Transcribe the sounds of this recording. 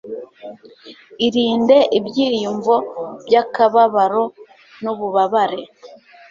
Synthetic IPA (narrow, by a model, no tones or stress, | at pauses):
iɾiːnde̞ʔibjiːjuɱvo̞b̥jakaβaβaɾo̞ | nuβuβaβaɾe̞